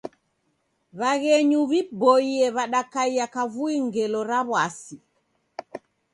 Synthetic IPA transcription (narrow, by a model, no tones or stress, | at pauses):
βaɣɛɲuβibɔiɛβaɗakaiakavuiŋɡɛlɔɾaβwasi